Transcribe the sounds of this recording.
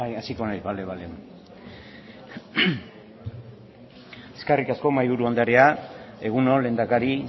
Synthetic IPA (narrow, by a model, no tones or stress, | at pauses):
asiko̞najzβaleβale | eskarikasko̞majβuɾuand̪aɾeae̞ɣ̞uno̞le̞nd̪akaɾi